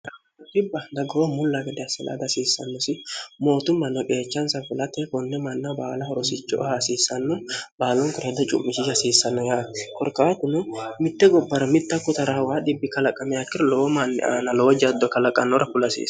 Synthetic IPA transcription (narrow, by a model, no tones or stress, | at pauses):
t̪ɐ | ɐd̪ɪbːɐd̪ɐɡɔmʊlːaɡɛd̪ɛɐsɛla̰ːd̪ɐsiːsːɐ̰nːɔsɪmo̞ːt̪ʊmːɐnɔkʼeːt͡ʃːɐnsɐfʊlɐt̪ɛkɔnːɛmɐnːabaːlɐhɔɾɔsɪt͡ʃːɔ̰ʔhasiːsːɐnːʊbaːlɔŋkʊɾɛd̪ɐt͡ʃʼʊ̰mːɪʃiʃɐsiːsːɐnːɔjaːtkɔɾkaːt̪ʊnʊmɪt̪ːɛɡɔbːɐɾɐmɪt̪ːɐkːɔt̪ɐɾawaːd̪ɪbːɪkɐlɐkʼɐmɛɐkːɪɾloːmanːɛ̰ʔa̰ːnɐloːd͡ʒɐd̪ːɔkɐlɐkʼɐnːɔɾɐkʊlɐsḭːs